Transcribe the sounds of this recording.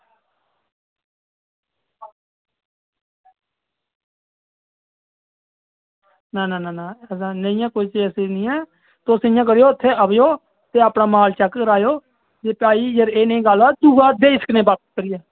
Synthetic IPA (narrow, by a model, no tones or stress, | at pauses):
nãːnãːnaːnãːɛsãːnəĩjãːkoːiːt͡ʃiːəsiːnĩːɛː | t̪oːsəɪjãːk̬əɾɪjoːɪt̪ʰːeːʔəʋjoː | t̪eːaːpnãːmaːlt͡ʃəkkəɾaːjoː | d͡ʒeːpaːiːjəɾeːnĩːɡaːlaːd̪uːaːd̪eːɪsə̥kənẽːbaːp̪̚kəɾɪjaː